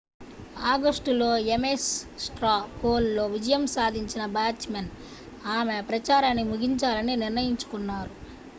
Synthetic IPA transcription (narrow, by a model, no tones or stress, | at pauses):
aːɡɐsʈulo̞ːemessʈɾaːpoːlːo̞ːʋid͡ʒɐjɐmsaːd̪ʱiɲt͡ʃinɐbaːt͡ʃmen | aːmeɐpɾɐt͡ʃaːɾaːnːimuɡiɲt͡ʃaːlɐniniɾnɐjiɲt͡ʃu̥kunːaːɾu